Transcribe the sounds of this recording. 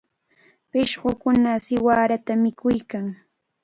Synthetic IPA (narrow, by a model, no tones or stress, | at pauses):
pɪʃɢokʊnasɪwaːɾat̪amɪkʊjkaŋ